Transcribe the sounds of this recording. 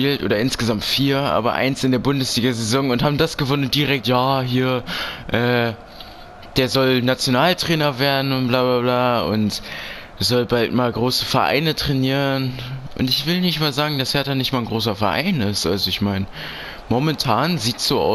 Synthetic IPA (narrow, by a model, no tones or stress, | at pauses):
iːltʔo̰ːɾɐɪnsɡ̥əzamtfiːɐʔa̰ːbɐ̰ʔa̰ɪnsɪndeːɐbʊndəsliːɡɐzezɔŋʊnthaːbm̩dasɡ̥əvɔnənd̥iʁɛk̚tjaːɦiːɐʔɛː | d̥eːɐzɔlnat͡sjonaːltʁ̥ɛːnɐveːɐdn̩ʊnb̥laːblaːblaːʊ̰ntː | zɔlbaltmaːlɡʁoːsəfɛɐʔa̰ɪnətʁ̥ɛniːʁənʔʊ̰ntɪçv̥ɪlnɪçtmaːlzaːɡŋ̩dashɛɐtanɪçtmaːnɡʁoːs̬ɐfɛɐʔa̰ɪnɪstʔa̰lzoɪçmaɪnə | momɛntʰaːnziːtsz̥oːʔa̰ʊ